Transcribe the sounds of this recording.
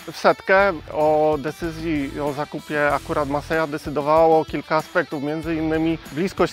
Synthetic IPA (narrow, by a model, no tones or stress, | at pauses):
fsɛt̪kɛɔd̪ɛt̪sɘzʲjiɔzakupʲjɛakuɾat̪masɛjad̪ɛt̪sɘd̪ɔvawɔkʲilkaːspɛk̚t̪ufmʲjɛnd̪zɘinːɘmʲiblʲiskɔɕ